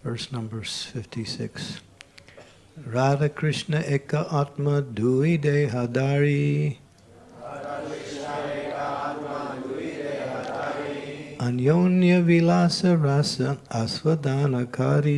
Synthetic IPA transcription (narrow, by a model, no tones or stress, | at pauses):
fəɹsnɐ̃mbəɾzfɪftʰisɪ̰ks | ɾaːɾɐkɾɪʃnɐʔekɐʔat̪mɐd̪ʱuid̪ejɦɐd̪aːɾi | ɐnjoːnjɐʋilaːsɐɾasɐɐsʋɐd̪aːnɐkaɾi